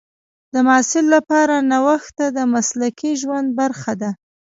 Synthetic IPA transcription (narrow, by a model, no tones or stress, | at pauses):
d̪əmɑːsɪlːapɑɾanawaxt̪ad̪əmaslakiʒwand̪̚baɾxad̪a